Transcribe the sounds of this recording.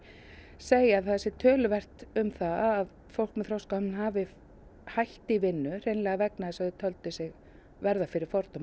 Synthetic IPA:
seːjaðθɛsːɪt̪ʰœːlʏvɛr̥t̪ʏmθaað | fowlkmɛðθɾowskawnnɦaːvɪ | hajht̪ɪivɪnːʏr̥ejnlɛːɣavɛknaðɛsaðɪt̪ʰœlt̪ɪsɪɣ | vɛɾðafɪɾɪɾ̥fɔɾt̪ɔm

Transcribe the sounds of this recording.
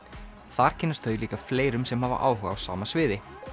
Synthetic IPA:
θaɾ̥cʰɛnːast̪ʰœɥjʏliːkafleːjɾʏmsɛmhava̰ɾʔa̰ːwhœɣa̰wsa̰ːmasvɪːðɪ

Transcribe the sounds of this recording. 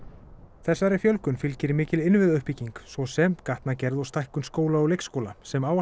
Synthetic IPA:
θɛsːaɾɪfjœlkʏnfɪlcɪɾmɪːcɪlɪnvɪðʏhpiciŋksvɔsɛmkaht̪nacɛɾðɔwst̪ajhkʏnskoːwlaɔlejkskowlasɛmaːwa

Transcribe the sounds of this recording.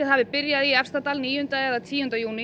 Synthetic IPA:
ɪðhavɪpɪɾjaðiɛfst̪at̪aːlniːjʏʏnt̪aɛðat̪ʰiːʏhʏnt̪ajuːnɪ

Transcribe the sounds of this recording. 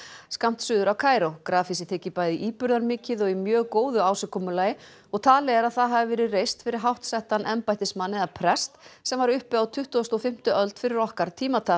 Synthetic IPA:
skam̥t̪sʏːðʏɾawkʰaːjɾowkɾaːfisɪt̪ʰɪːcɪpajðiʔiːpʏɾðaɾmɪːcɪðɔɣimjœːɣkoːwðʏaːwsɪkʰɔmʏlaːjɪ | ɔɣt̪ʰaːlɛɣɛɾaðθaðɦavɪvɛːɾɪrejst̪fɪɾɪɾ̥ɦawht̪sɛht̪anʔɛmpajt̪ɪsmanːɛðapʰɾɛst̪sɛmvaɾʏhpɪðawt̪ʰʏht̪uɔst̪ɔfɪm̥t̪ʏœlt̪fɪɾɪɾɔhkaɾ̥t̪ʰiːmat̪ʰa

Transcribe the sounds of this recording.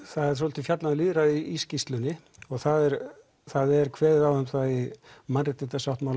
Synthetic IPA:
θaðɛɾ̥sɔːlt̪ɪfjat̪naðliːðɾaiiscist̪lʏnːɪ | ɔɣθaðɛɾ | θaðɛɾkʰvɛːðɪðawhɛmθaimanrɪt̪ɪt̪asawht̪mawl

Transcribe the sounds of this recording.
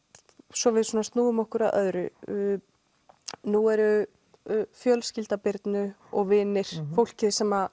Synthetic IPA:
sɔvɪðsɔːnast̪nuːʏmɔhkʏɾaðʔœðɾʏ̰ | nuɛɾʏ | fjœlscɪlt̪apɪɾt̪nʏ | ɔɣvɪːnɪɾ̥fowl̥cɪðsɛmːa

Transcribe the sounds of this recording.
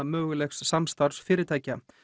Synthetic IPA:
mœːɣʏlɛxsːamst̪aɾsfɪːɾɪɾt̪ʰaːjca

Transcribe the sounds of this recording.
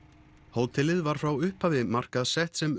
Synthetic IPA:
hoːwt̪ʰɪlɪðvaɾ̥fɾawʏhphavɪmar̥kaðsɛht̪sɛm

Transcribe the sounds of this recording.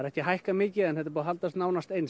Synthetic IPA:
ɾɛhcɪɦajhkamɪːcɪɛnɛt̪ḁɾpuːðaɦalt̪ast̪naːwnast̪ejns

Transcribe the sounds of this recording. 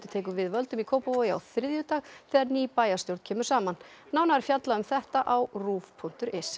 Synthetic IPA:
t̪ʏ̥t̪ʰeːjkʏvɪðvœlt̪ʏmikʰoːwpavoja̰wθɾɪðjʏt̪aːɣθɛaɾniːpaːjast̪jowɾt̪cʰɛːmʏɾ̥saːman | naːwnaɛɾ̥fjat̪laʏmθɛht̪aʔawruːvpʰun̥t̪ʏɾʔɪs

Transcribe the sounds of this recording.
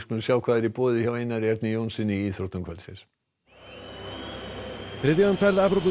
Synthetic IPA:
skmʏnsjaːwkʰvaːðɪɾipɔːðɪçawejnːaɾjɛɾt̪nijownsɪniiːθɔɾ̥t̪ʏmkʰvɛlsɪ̰s | θɾɪðjaanfɛɾlapɾɔpu

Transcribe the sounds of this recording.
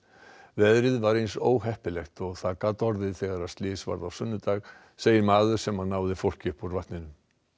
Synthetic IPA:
vɛðɾɪðvaɾejnsoːwɦɛhpɪlɛxt̪ɔɣθaðkat̪ɔɾðɪθɛɣaɾḁst̪lɪːsva̰ɾðawsʏnːʏt̪aːɣ | seːjɪɾmaːðʏɾ̥sɛmhanːaːwðɪfowl̥cʏhpɔɾvaht̪nɪnʏm

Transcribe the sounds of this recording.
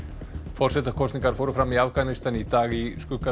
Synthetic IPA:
fɔr̥sɛt̪akʰɔsnĩŋkaɾ̥fowɾʏfɾamiafkanɪst̪anit̪aːɣiskʏka

